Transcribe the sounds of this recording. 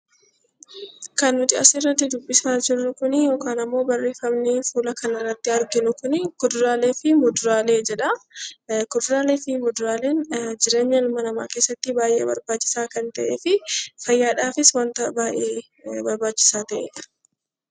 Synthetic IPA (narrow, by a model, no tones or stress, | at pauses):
kɐnːʊt̪ɪɐsɪrːɐt̪ːɪd̪ʊbːɪsaːd͡ʒɪɾʊkʊnɪjo̞ːkaːnɐmːo̞ːbɐrːeːfɐmnɪfuːlɐkɐnɐrːɐt̪ːɪɐɾɡɪnʊkʊnɪkʊd̪ʊɾaːleːfɪmɔd̪ʊɾaːle̞ːd͡ʒɛᶑɐ | kʊd̪ʊɾaːleːfɪmɔd̪ʊɾaːle̞ːnd͡ʒɪɾe̞ːɲːɐlmːɐnɐma̰ːkeːsːɐt̪ːɪbaːjʔeːbɐ̰ɾbaːt͡ʃːɪ̥saːkɐnt̪ɐʔeːfɪfɐjːaːᶑaːfɪswɐnt̪ɐbaːʔeː | bɐɾbaːt͡ʃːɪ̥saːt̪ɐʔḛːᶑɐ̥